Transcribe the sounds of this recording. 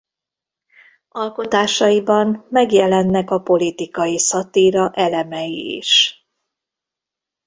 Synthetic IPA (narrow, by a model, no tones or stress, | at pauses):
ɒlko̞t̪aːʃɒjibɒnmɛɡjɛlɛnːɛkɒpo̞lit̪ikɒjisɒt̪iːɾɒʔɛlɛmɛjḭḭʃ